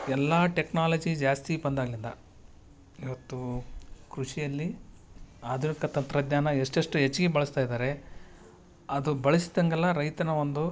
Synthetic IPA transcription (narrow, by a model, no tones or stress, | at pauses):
ɛlːaːʈeknaːlɐd͡ʒid͡ʒaːst̪ibɐnd̪aːɡɐlind̪ɐ | iʋɐt̪ːukɾuʂijɐlːi | aːd̪ʱunikɐt̪ɐnt̪ɾɐd̪ɲaːnɐeʂʈeʂʈuɦet͡ʃːiɡebɐɭɐst̪aːjid̪aːɾe̞ | ɐd̪ubɐɭisi̥t̪ɐŋɡɐlːɐɾɐjt̪ɐnɐʋo̞nd̪u